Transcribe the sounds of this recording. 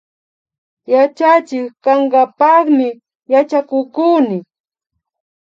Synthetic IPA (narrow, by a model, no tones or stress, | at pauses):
jat͡ʃat͡ʃɪkkaɴɢɑpɑχmɪ | jat͡ʃakʊkuːnɪk